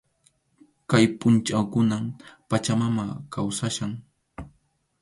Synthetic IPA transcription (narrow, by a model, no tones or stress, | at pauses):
kajpʊnt͡ʃawkʊnampat͡ʃamamakawsaʃaŋ